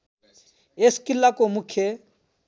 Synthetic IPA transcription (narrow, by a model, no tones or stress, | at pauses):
eskɪlːakomʊkʰje